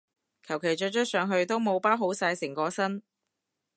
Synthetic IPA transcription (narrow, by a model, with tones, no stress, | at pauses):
kʰɐ˨˩wkʰe˨˩jt͡ʃɵ˧t͡ʃʰœ˥t̚sœː˨˧ŋɦɵ˧ɥt̪o˥wmo˨˧wpaː˥ɦo˨˥wsaː˧jsɪ˨˩ŋkɔː˧sɐ˥n